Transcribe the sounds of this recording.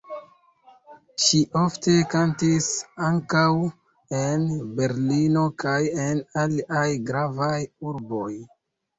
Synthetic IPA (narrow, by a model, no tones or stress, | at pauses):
ʃiʔo̞fte̞kantisaŋkaw | enbe̞ɾlino̞kaje̞naliʔajɡɾavajuɾbo̞j